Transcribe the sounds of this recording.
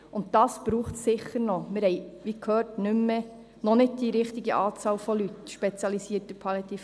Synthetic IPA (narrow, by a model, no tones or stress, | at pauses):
ʊnt̚dɑːsb̥ɾuːχtsɪχəɾnɔmɪɾhɛɪʋikʰhøːrtnʏmːə | nɔnɪd̚d̥iɾɪχtiɡəʔɑːt͡sɑːlfɔlytʃpɛt͡sjɑlisiːtəpʰɑlɛt̪if